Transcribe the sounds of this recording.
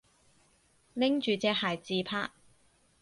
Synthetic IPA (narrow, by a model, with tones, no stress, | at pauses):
lɪ˥ŋt͡ʃyː˨t͡sɛː˧˥haː˨˩jt͡siː˧pʰa̰ː˥t̚